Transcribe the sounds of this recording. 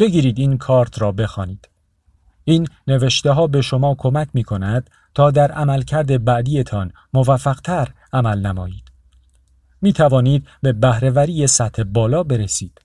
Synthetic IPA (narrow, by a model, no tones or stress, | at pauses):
b̥e̞ɡiːɾiːd̪iːnkʰɒːɾt̪ʰɾɒːbe̞xɒːniːd̪̥ | iːnːe̞ve̞ʃt̪e̞ɦɒːbe̞ʃo̞mɒːkʰo̞mæcʰmiːkʰo̞næd̪̥ | t̪ʰɒːd̪æɾæmælcʰæɾd̪e̞bæʔd̪iːe̞t̪ʰɒːn | movæfːæɣ̥t̪ʰæɾ | æmælnæmɒːjiːd̪̥ | miːt̪ʰævɒːniːd̪̚be̞bæhɾe̞væɾiːje̞sæt̪ʰhe̞bɒːlɒːbe̞ɾesiːd̪̥